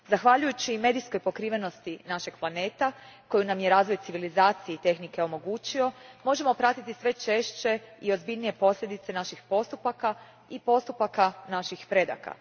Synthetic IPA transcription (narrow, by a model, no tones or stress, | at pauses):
zaxʋaʎujut͡ɕime̞ːd̪ijskojpo̞kɾiːʋe̞no̞st̪inaʃe̞ɡ̥plˠane̞ːt̪a | ko̞junamje̞ɾaːzʋo̞jtsiʋilizaːt̪sijeit̪e̞xnike̞o̞mo̞ɡuːt͡ɕio̞mo̞ʒe̞mo̞pɾat̪it̪isʋe̞t͡ʃe̞ʃt͡ɕe̞io̞zbiʎnije̞po̞slʎʲe̞d̪it̪se̞naʃixpo̞st̪upaka | ipo̞st̪upakanaʃixpɾe̞d̪a̰ka̰